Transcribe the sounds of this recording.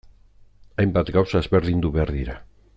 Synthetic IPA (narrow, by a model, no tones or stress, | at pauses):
ajmbat̪ɡawsaezβe̞ɾðind̪uβeaɾðiɾa